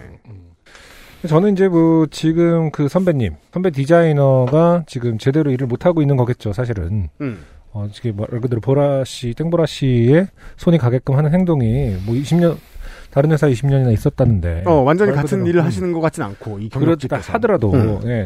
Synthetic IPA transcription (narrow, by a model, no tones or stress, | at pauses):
e | et͡ɕʌnɯnid͡ʑe̞mwʌt͡ɕiɡɯmkɯsʰʌmbe̞ɲːimsʰʌbe̞t̬id͡ʑainʌɡat͡ɕiɡɯmt͡ɕe̞de̞ɾoiɾɯɭmotʰaɡoinːɯnɡʌɡe̞t̚t͡ɕ͈osʰaɕ̬ʰiɾɯ̰n | ʌt͡ɕiɡemʌkɯdɯɾopoɾaɕ͈it͈eŋboɾaɕ͈ie̞sʰoɲikaɡe̞k͈ɯmɦanɯnɦe̞ŋdoŋimwʌiɕʰimɲʌntaɾɯnɦwe̞sʰaiɕʰimɲʌɲinais͈ʌt̚t͈anːɯnde̞̰ʌwand͡ʑʌɲikatʰɯnːiɾɯɭɦaɕʰinɯnɡʌk͈at͡ɕ͈ina̰nkʰoikɯɾʌt͈adʌɾadoje̞